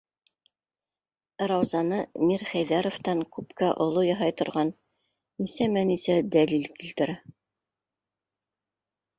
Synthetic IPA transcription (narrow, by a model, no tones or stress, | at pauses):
ɾɑwzɑnɤmiɾχæjðæɾoft̪ɑŋkʉpkæʔŏlˠojɑɦɑjt̪ŏɾʁɑnː | isæmænisæd̪ælilkilt̪ɘ̆ɾæ